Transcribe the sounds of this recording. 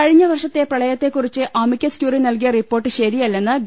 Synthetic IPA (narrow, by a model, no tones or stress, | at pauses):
ɐɻiɲːɐʋɐrʂɐt̪ːe̞prɐɭɐjɐt̪ːe̞kːurit͡ɕːɨʔɐmikʲːɐskjuːrinɐlkijɐripːo̞ːrʈːɨɕɐɾijɐlːenːɨɡ